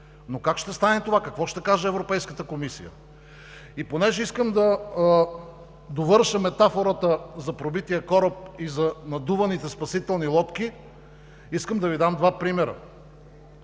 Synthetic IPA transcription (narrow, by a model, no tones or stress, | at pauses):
nokakʃt̪ɛst̪anɛt̪ovakɐkvɔʃt̪ɛkaʒəɛvɾopɛjskət̪əkomisijə̰ | iponɛʒɛiskəmd̪ɐ | d̪ovɤɾʃəmɛt̪afoɾət̪əzɐpɾobit̪iəkɔɾəp̚izɐnɐd̪uvɐnit̪ɛspɐsit̪ɛlˠnilˠɔt̪k̟i | iskəmd̪ɐvid̪amd̪vapɾimɛɾə̰